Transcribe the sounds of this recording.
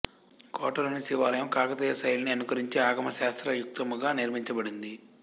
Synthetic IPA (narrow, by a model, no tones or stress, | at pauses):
kɔːʈɐlunisiʋaːɾɐjɐmkaːkɐt̪ijɐsɐjlɐniɐnukɐɾiɲt͡ʃiaːɡɐmɐʃaːst̪ɾɐjuk̚t̪ɐmuɡaːniɾmiɲt͡ʃɐbɐɽind̪i